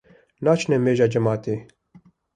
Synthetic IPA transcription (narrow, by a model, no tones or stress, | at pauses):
naːt͡ʃnɛmeːʒaːd͡ʒɛmaːt̪eː